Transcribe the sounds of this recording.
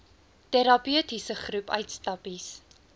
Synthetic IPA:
tɛɾɑpiətisəχrupœɥtstɐpis

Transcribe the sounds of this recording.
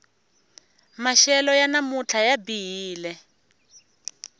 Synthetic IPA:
maʃɛlɔjanamut͡ɬʰajabiɦiːlɛ

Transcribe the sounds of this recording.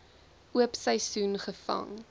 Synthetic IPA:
ʔuəpsəjsunχəfɐ̰ŋ

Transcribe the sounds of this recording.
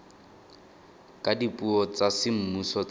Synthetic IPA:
kʼadipʼuɔt͡sasɪm̩musɔ

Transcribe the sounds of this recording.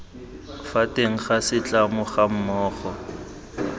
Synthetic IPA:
fatʼeŋ̩χasɪt͡ɬʼamʊχam̩mɔːχɔ

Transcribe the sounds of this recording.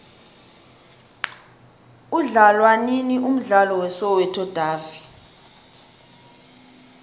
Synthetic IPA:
uɮalwaninium̩ɮalɔwɛsɔwɛtʰɔd̥ʱaːvi

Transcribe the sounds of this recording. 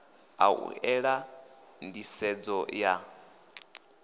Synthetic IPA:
a̰ṵʔɛɺa | ndisɛd͡zɔja

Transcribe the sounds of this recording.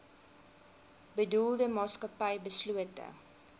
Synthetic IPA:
bədulˠdəmɑːskɐpɐjbəsluətə̰

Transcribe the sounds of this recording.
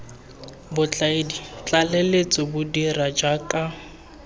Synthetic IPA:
bʊt͡ɬʼaedit͡ɬʼalɛlet͡sʼɪbʊdirad͡ʒakʼa

